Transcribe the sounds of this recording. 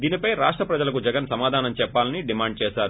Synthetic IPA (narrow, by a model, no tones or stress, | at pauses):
d̪iːnipɐjɾaːʂʈɾɐpɾɐd͡ʒɐlɐkud͡ʒɛɡɐnsɐmaːd̪ʱaːnɐmt͡ʃɛpːaːlɐniɖimaːɳɖ̚t͡ʃɛːʃaːɾu